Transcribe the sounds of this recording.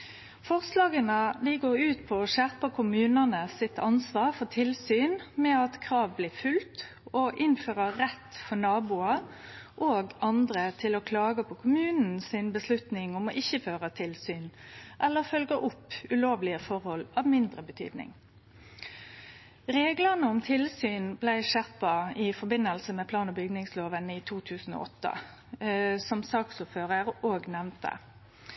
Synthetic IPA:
fɔʁslɑːɡənəd̪iːɡoːɾʉːt̪pʰɔɔʃæʁpəkʰʊmʉːnənəsɪt̪ʰɑnsʋɑːʁfɔt̪ʰɪlsyːnmɛɑt̪kʰʁɑːʋbliːʁfʉlt̪ | oʔɪnføːʁəːɛt̪ːfɔɳɑːbuːɑʔoːɡɑnd̪ʁət̪ʰɪlokʰlɑːɡəpʰɔkʰʊmʉːnn̩sɪnbəslʉt̪nɪŋɔmɔʔɪçːəføːʁət̪ʰɪlsyːn | ʔɛlːəʁfœlɡəʔʊpːʉloːʋlɪəfɔʁhɔlɑːʋmɪnd̪ʁəbət̪ʰy̰ːd̪nɪ̰ŋ | ɾeːɡlənəʊmt̪ʰɪlsyːnblæɪʃæpɑɪfɔʁbɪnːəlsəmɛːpʰlɑːnɔbʏɡnɪŋsloːʋənɪt̪ʰuːt̪ʰʉːsn̩o̰ʔɔt̪ːə̰ | sɔmsɑːksʊpføːʁəɾoːɡnɛʋnt̪ʰə̰

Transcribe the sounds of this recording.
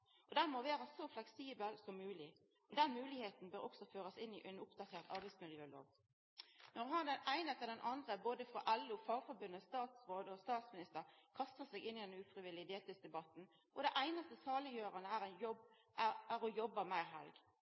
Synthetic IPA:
ʔɔd̪ɛnmoʋæːɾɑsɔflɛksiːbəlsɔmːʉːlɪ | ɔd̪ɛnmʉːlɪheːt̪n̩bøːɾɔksɔføːɾəsɪnɪʔɛnʊpd̪ɑt̪ʰeːʁt̪ʰɑ̰ʁɾbæɪdsmɪljøːlo̰ːɡ | nɔʁɦɑnd̪ɛnæɪnət̪ʰɪld̪ɛnʔɑnd̪ʁəboːd̪əfʁɑʔɛlːʊfɑfɔbʉnːəst̪ɑːt̪sʁoːd̪əɔst̪ɑːt̪smɪnɪst̪əʁkʰɑst̪əsɛɡɪnːɪd̪ɛnʉːfʁɪʋɪlːɪd̪eːt̪ɪsd̪ɛbɑt̪n̩ | ʔɔd̪æʔæɪnɑst̪əsɑːləjøːʁɑnəæʁænjɔb | ææʁɔjɔbːəmæɪɦɛ̰lɡ

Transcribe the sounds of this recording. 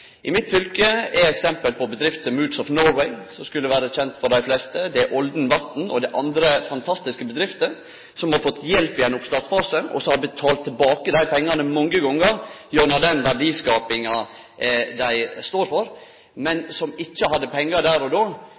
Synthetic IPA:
ʔɪmɪt̪fʏlkəɛɛksɛmpəlpʰɔbəd̪ɾɪft̪əmʉːd̪sɔfnɔwɛɪsɔmskʉlːəʋæːɾəçɛnt̪fɔɖ̪æɪflɛst̪əd̪ɛʔɔld̪n̩ʋɑt̪n̩ɔd̪ɛʔɑnd̪ɾəfɑnt̪ʰɑst̪ɪskəbəd̪ɾɪft̪ə | sɔmhɑɾfɔt̪ʰːjɛlpɪɛnʊpst̪ɑt̪sfɑːsəʔɔ̰sɔhɑɾbət̪ʰɑːlt̪ʰːɛlbɑːkəd̪æɪpʰɛŋːɑnəmɔŋːəɡɔŋːəɾjʉnɑd̪ɛnʋæɖiːskɑːpɪŋɑ | d̪æɪst̪oːɾfɔɾ | mɛnsɔmɪçːəhɑd̪ːəpʰɛŋːəd̪æːɾɔd̪oː

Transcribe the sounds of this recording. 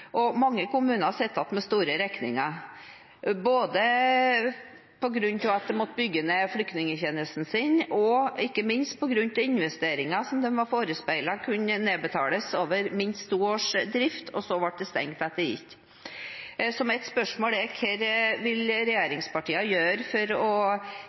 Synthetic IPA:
ʔɔmɑŋːəkʊmʉːnəɑsɛt̪ːɑt̪mɛst̪uːɾəɾɛknɪ̰ŋɑ | boːd̪ə | pʰɔɡɾʉnt̪ɪʋɑt̪̚d̪ɛmɔt̪ːəbʏɡːənɛflʏk̚t̪nɪŋəçenəst̪n̩sɪnɔɪkːəmɪnst̪̚pʰɔɡɾʉnt̪ɪɪnʋɛst̪eːɾɪŋɑsɔmd̪ɛnʋɑɾfoːɾəspæɪlɑkʰʉnəneːbət̪ʰɑːləsoːʋəɾmɪnst̪ʰːuːoːʂd̪ɾɪft̪ʰɔsɔʋɑʈ̚d̪ɛst̪ɛ̰ŋt̪ɑt̪̚d̪ɛjɪ̰kː | sɔmɛt̪spœʂmoːlɛkʰɛɾʋɪlɾɛjeːɾɪŋspɑʈiːɑjøːɾfɔɾɔ

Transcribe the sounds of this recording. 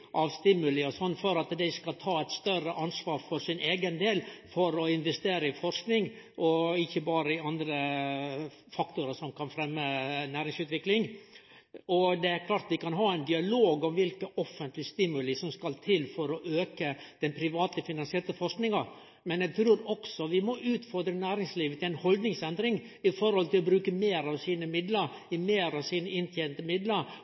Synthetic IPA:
ʔɑʋst̪ɪmːʉlɪɔsɔnːfɔɾɑt̪d̪æɪskɑlt̪ʰɑːɛɪt̪st̪œrəʔɑnsʋɑːɾfɔɾsɪnʔeːɡənd̪eːlfɔɾɔɪnʋɛst̪eːɾəɪfɔɾsknɪŋ | ʔɔɪçːəbɑːɾəɪɑnd̪ɾə | fɑkt̪ʊɾəsɔmkʰɑnfɾɛmːənæːɾɪŋsʉːt̪ʋɪklɪŋ | ɔd̪ɛæɾkʰlɑːɾt̪ʋɪkɑnɦɑːæɪnd̪ɪɑloːɡɔmʋɪlkəʔɔfənt̪lɪəst̪ɪmʉlɪsɔmskɑlt̪ʰɪlfɔɾɔʔøːkəd̪̥ɛnpʰɾɪʋɑːt̪əfɪnɑnsɪɛɾt̪əfɔʂknɪŋɑ | mɛnæɡ̚t̪ʰɾuːɾɔksɔʋɪmɔʔʉːt̪fɔɾd̪ɾənæːɾɪŋsliːʋət̪ɪæɪnhɔld̪nɪŋsɛnd̪ɾɪŋ | ɪfɔɾhɔlt̪ɪlɔbɾʉːkəmeːɾɑʋsiːnəmɪd̪ləɾ | ɪmeːɾɑʋsiːnəɪnt̪ʰjɛnt̪əmɪd̪ləɾ

